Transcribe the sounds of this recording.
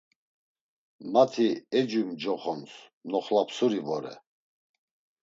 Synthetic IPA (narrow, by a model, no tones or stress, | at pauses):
mat̪ʰiɛd͡ʒumd͡ʒɔχɔns | nɔχlapʰsuɾivɔɾɛ̰